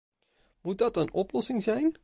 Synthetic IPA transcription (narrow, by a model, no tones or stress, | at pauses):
mut̚dɑtənɔplɔsɪŋzɛjn